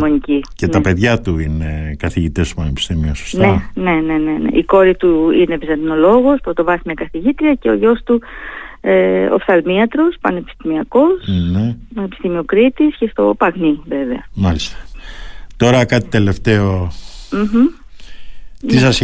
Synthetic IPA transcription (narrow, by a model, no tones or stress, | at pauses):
monicicet̪ɐpe̞ðʝɐt̪uinekɐθiʝit̪est̪opɐnepi̥st̪imioso̥stnene̞ne̞nenḛʔiko̞ɾit̪uine̞vizɐd̪ino̞lo̞ɣo̞spɾot̪o̞vɐsimɐkɐθiʝit̪ɾiɐce̞o̞̰ʝo̞st̪u | eo̰fθɐlmiɐt̪ɾo̞spɐne̞pi̥st̪imiɐko̞snepɐnepist̪imiokɾit̪isce̞st̪o̞̰pɐɣnive̞ve̞ɐmɐlist̪ɐ̥t̪o̞ɾɐkɐt̪i̥t̪e̞le̞ft̪e̞om̩ɦm̩ | t̪isɐs